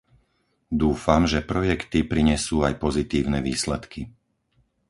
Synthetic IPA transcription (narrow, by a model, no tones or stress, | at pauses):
d̪uːfamʒɛpɾɔjɛkt̪ipɾiɲɛsuːajpɔzit̪iːʊnɛʋiːslɛt̪ki